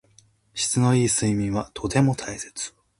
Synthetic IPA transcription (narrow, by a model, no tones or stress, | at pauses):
ɕi̥t͡sɨno̞iːsɨimʲĩɰ̃βat̪ʰo̞t̪e̞mo̞t̪ʰaise̞̥t͡sɨ̥